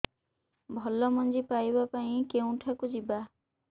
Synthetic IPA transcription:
bʱɔlɔmɔnd͡ʒipajbapaĩkeũʈʰakud͡ʒiba

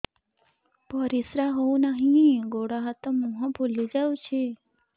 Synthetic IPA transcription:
pəɾisɾaɦoũnaɦĩɡoɽaɦat̪ãmũɦɔ̃bʱolid͡ʒaũt͡ʃʰe

